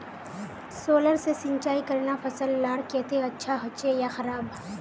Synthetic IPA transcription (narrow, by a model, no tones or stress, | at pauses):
soːləɾsesɪ̃ɲt͡ʃaːikɐɾnafɐsəlːaːɽkeːt̪eɐtːʃʰaɦʊt͡ʃejaxɐɾaːb